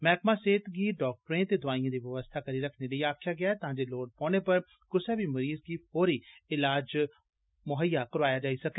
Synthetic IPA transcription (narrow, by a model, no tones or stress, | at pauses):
mɛːkʰmaːseːt̪ɡiːɖɔːk̚ʈɾẽːt̪eːd̪ʊaːĩãːd̪iːʋəʋəst̪ʰaːkəɾiːɾəkʰneːləiːaːkʰjaːɡɪaːt̪ãːd͡ʒeːloːʈ̚pɔ̃ːñeːpəɾ | kʊsɛːbiːməɾiːzɡiːpoːɾiːɪlaːd͡ʒ | mʊɦəjːaːkəɾʋaːjaːd͡ʒaːiːsəkɛː